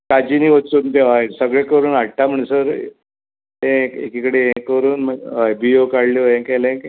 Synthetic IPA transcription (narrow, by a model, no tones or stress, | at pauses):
kad͡ʑiniːʋot͡suːnt̪eʋajsəɡɭekəɾuːnaɽʈ̪am̤əɳsəɾ | ẽkḛkikəɽeẽkəɾuːnməajbiokaɽlioẽkɛlẽk